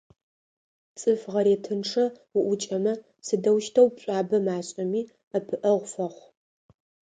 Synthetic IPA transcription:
t͡sʼɨfʁɐɾeːtʰɨnʈ͡ʂʰɐʊʔʷʊt͡ʃʼɐmɐ | sɨdɐwʃtʰɐwpɕʷʼaːbɐmaːɕʼɐmiː | ɐpʰɨʔɐʁʷfɐχʷ

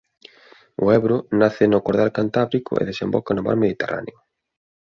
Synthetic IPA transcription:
ʊɛβɾʊnaθɪnʊkoɾðalkant̪aβɾikʊ̰ʔḛðesembɔkanʊma̰ɾmeðit̪era̰neʊ

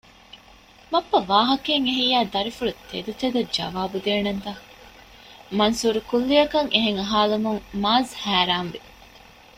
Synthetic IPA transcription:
mɐpːɐʋaːɦɐkeŋeɦijæːd̪ɐɾifulut̪ʰḛd̪ut̪ed̪ɐd͡ʒɐ̰ʋaːbud̪eːnɐnt̪ɐ | mɐnsuːɾukulːijɐkɐŋʔeɦeŋɐɦaːlumuŋmaːzhæːɾaːnʋi

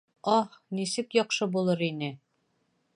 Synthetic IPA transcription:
ɒhnisɘkjɒqʃɤbulˠɤɾinɘ

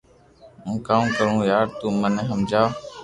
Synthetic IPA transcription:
ũːkaːũːkəɾũːjaːɾt̪uːməneɦəmd͡ʒaː

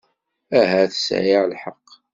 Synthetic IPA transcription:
æɦæθə̥sʕiʕlħɑqː

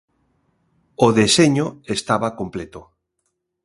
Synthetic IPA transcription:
oðeseɲoest̪aβakomplet̪o

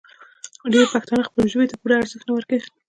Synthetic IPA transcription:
xaɖeɾpaxt̪ɑnaxpəlʒəwet̪apuɾaːɾzəxnawəɾkai

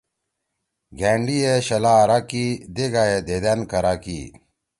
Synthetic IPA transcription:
ɡeːɳɖijeɕɐlaːɾakid̪eɡaed̪ed̪enkɐɾakḭ

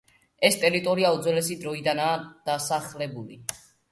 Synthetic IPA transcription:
ɛst̪ʼɛɾit̪ʼɔɾiaud̪zwɛlɛsid̪ɾɔid̪anaːd̪̥asaχlɛbulḭ

